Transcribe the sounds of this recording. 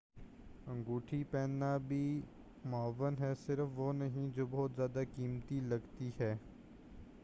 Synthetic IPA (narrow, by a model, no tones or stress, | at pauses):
ə̃ŋɡuːʈʰipɛːnːabʱiː | mɔːʋənɦɛːsɪɾəfʋoːnɐɦĩd͡ʒoːbɔːt̪zjaːd̪akiːmt̪ilɐɡt̪iɦɛː